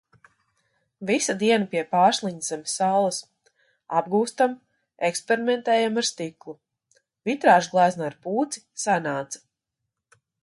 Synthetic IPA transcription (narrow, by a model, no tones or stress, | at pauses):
visad̪iɛnapiɛpaːslˠiɲz̥ɛmʲsalˠɐs | ab̚ɡuːst̪am | ekspeɾimɛnt̪ɛːjamaɾst̪iklˠu | vit̪ɾaːʒɡlˠajznaːɾpuːt̪sisanaːt̪sḁ